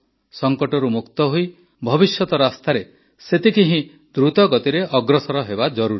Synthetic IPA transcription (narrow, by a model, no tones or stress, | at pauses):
sɔŋkɔʈɔɾumukt̪ɔɦoj | bʱɔbisjɔt̪ɔɾast̪aɾe | set̪ikiɦĩ | d̪ɾut̪ɔɡɔt̪iɾeʔɔɡɾɔsɔɾɔɦebad͡ʒɔɾuɾi